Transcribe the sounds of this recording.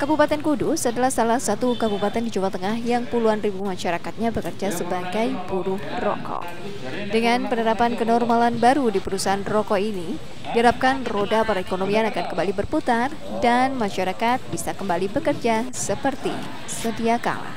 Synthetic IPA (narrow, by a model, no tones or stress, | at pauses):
kabupat̪ɛnkudusadalahsalahsat̪ukabupat̪ɛndid͡ʒumat̪əŋahjaŋpuluanribumaʃaɾakat̪̚ɲabəkərd͡ʒasəbaɡajbuɾʊh | rɔ̰kɔ̰ | dəŋanpənəɾapankənɔrmalanbaɾudipəɾusaɦanrɔkɔini | diɦaɾap̚kanrodapaɾaekonomianakankəmbalibərput̪ar | danmaʃaɾakat̪̚bisakəmbalibəkərd͡ʒasəpərt̪ḭ | sədiaka̰la̰h